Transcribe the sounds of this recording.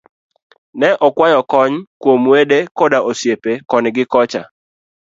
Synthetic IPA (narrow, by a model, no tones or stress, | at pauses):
nɛʔɔkwajɔkɔɲkwomwedekɔdaʔosjepekɔnɡɪkɔt͡ʃa̰